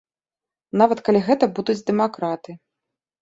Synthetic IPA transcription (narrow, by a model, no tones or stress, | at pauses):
navɐt̪kalʲiɣɛt̪ɐbud̪ud͡zʲd̪ɛmakɾat̪ɨ